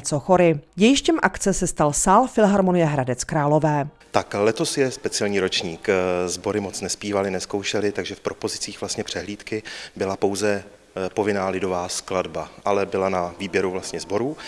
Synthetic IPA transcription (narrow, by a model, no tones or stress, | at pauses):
ɛt͡soxo̞ɾɪɟɛjɪʃcɛmʔakt͡sɛsɛst̪alsaːlfɪlɦaɾmonɪjɛɦɾadɛt͡skɾaːlo̞vɛː | t̪aklɛt̪o̞sjɛspɛt͡sɪɛlɲiːɾo̞t͡ʃɲiːkzbo̞ɾɪmo̞t͡snɛspiːvalɪnɛsko̞wʃɛlɪt̪aɡʒɛfpɾo̞po̞zɪt͡siːxv̥last̪ɲɛpr̥ɛɦliːt̪kɪbɪlapo̞wzɛ | po̞vɪnaːlɪdo̞vaːskladbaʔalɛbɪlanaviːbjɛɾuvlast̪ɲɛzbo̞ɾuː